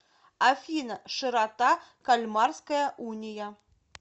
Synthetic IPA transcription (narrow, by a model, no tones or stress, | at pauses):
afʲinɐʂɨɾat̪akalʲmɑrskɐjɐʔunʲija